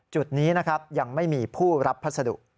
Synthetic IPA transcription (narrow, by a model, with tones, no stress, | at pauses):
t͡ɕu˨˩t̪̚niː˦˥na˦˥kʰa˦˥p̚ja˧ŋma˥˩jmiː˧pʰuː˥˩ɾa˦˥p̪̚ʰːsa˧dṵ˨˩k̚